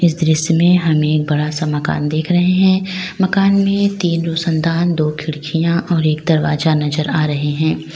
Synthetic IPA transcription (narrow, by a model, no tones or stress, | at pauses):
ɪs̬d̪ɾɪsmẽɦɐmeːk̚bɐɽasamɐka̰ːnd̪eːkʰɾɐɦeɦɛ̃ːmɐkaːnmẽt̪iːnɾoːsə̃nd̪ʱaːnd̪oːkʰɪɽkʰijãʔɔːɾeːk̚d̪ɐɾʋa̰ːzanɐzəɾaːɾɐɦeɦɛ̃ː